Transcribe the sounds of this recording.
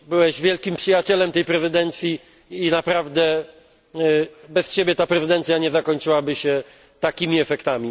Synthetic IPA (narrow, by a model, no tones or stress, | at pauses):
bɘwɛʑvʲjɛlkʲimpʂɨjat͡ɕɛlɛmt̪ɛjpɾɛzɘd̪ɛnt̪sʲjiː | napɾavd̪ɛ | bɛst͡ɕebʲjɛt̪apɾɛzɨd̪ɛnt̪sʲjaɲɛzakɔɲt͡ʂɘwabɘɕɛ | t̪akʲimʲiɛfɛkt̪amʲi